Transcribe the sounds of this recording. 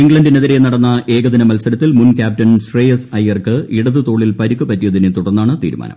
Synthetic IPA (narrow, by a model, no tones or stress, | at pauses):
iŋɡɭɐndineðiɾenɐɽɐnːɐʔe̞ːɡɐðinɐmɐlsɐɾɐt̪ːilmunkʲaːp̚tɐnsrejesɐjɐrkɨiɽɐðɨt̪o̞ːɭilpɐɾikːupɐtːijɐðinɨt̪uɽɐnːaːɳɨt̪ḭːɾuma̰ːnɐ̰mm